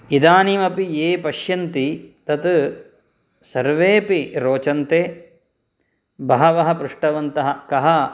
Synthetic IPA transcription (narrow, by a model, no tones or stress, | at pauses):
id̪aːnimɐpieːpɐʃjɐnt̪it̪ɐt̪ | sɐɾʋeːpiɾoːt͡ʃɐnt̪eː | bʱɐɦɐʋɐɦɐpɾuʂʈɐʋɐnt̪ɐɦɐkɐɦɐ